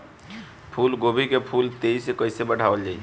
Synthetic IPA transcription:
pʰulɡobʱikepʰult̪eisekəɪsebəɽ̤ʱabəld͡ʒaːi

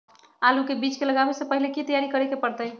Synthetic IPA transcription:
alukebit͡ʃkeləɡabesepəɦilekit̪əjaɾikəɾɛkepəɾt̪əj

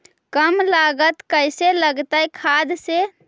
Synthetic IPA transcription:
kəmlaɡət̪kəjseləɡt̪əjkʰad̪se

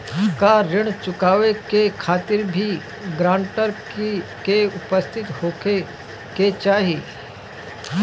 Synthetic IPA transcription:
kaɾɪɽ̃t͡ʃʊkaːʋekekʰaːt̪ɪɾbʱi | ɡɾãːɳʈəɾkkeʊpəst̪ʰɪt̪hoːke | ket͡ʃaːɦiː

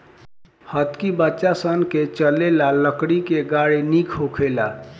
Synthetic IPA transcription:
hət̪kibətːʃasənket͡ʃəlelaləkɽikeɡaɽinikʰɦokʰela

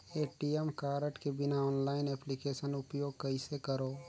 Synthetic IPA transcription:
eːʈiemkaːɾəʈkebɪnaɔːnlaːɪnɛːplikeːʃənʊpjoːɡ̚kɐɪsekəɾoː

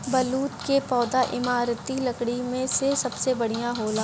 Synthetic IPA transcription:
bɐluːt̪kepɔːd̪aʔɪmaːɾt̪ilɐkɽimẽsesɐbsebɐɽ̤ijãɦoːlaː

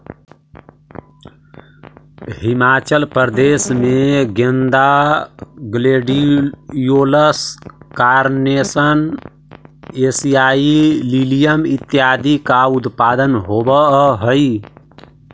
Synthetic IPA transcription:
himat͡ʃəlpəɾd̪esmeɡẽnd̪a | ɡleɖijoləskaɾnesən | esijaililijəmit̪ːjad̪ikaut̪pad̪ənɦobəɦəj

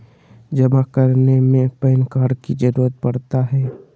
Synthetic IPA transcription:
d͡ʒəmakəɾnemẽpəɪnkaːɖkid͡ʒəɾuːɾət̪̚pɐɽt̪aɦɛː

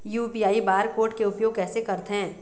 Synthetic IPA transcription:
juːpiːaːibaːɾkoːɾʈkeʊpjoːɡ̚kɛːsekɐɾt̪ɦɛ̃ː

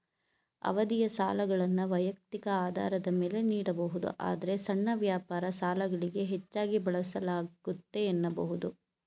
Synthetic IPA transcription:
ɐ̰ʋɐd̪ijɐsa̰ːlɐɡɐɭɐnːuʋɐjɐk̚t̪ikɐaːd̪ʱa̰ːɾɐd̪ɐme̞ːle̞niːɽɐbɐɦud̪ṵʔa̰ːd̪ɐɾe̞sɐɳːɐʋjaːpaːɾɐsaːlɐɡɐɭiɡe̞ɦet͡ʃːaːɡibɐɭɐsɐlaːɡut̪ːe̞ːnːɐbɐɦud̪u

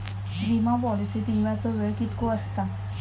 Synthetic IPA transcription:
ɾimapɔlisit̪iŋɭat͡sɔʋeɭkit̪koəst̪a

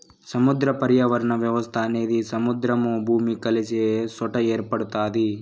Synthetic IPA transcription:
sɐmud̪ɾɐpɐɾjaʋɐɾɐɳɐʋjɐʋɐst̪ʰaːneːd̪isɐmud̪ɾɐmoːbʱuːmikɐlesiesɔʈɐeːɾpɐɽut̪aːd̪i

